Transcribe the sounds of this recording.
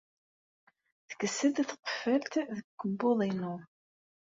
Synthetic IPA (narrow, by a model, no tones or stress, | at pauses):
θə̥kːəsːəd̪θqə̥fːəlt̪ðəkːəbːoðˤinʊ